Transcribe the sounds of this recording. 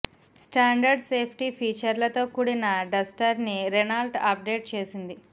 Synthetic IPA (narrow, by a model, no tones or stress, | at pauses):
sʈaːɳɖɐɾɖseːpʰʈipʰiːt͡ʃɐɾlɐt̪o̞ːkuɽinɐɖɐsʈɐɾniɾenaːlʈɐp̚ɖe̞ːʈ̚t͡ʃe̞ːsind̪i